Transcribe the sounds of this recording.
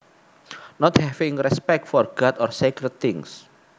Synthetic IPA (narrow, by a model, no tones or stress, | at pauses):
nɔt̪hɛvĩŋrɛspɛk̚t̪fɔrɡ̥at̪ɔrsekɾəd̪̚t̪ɪ̃ŋs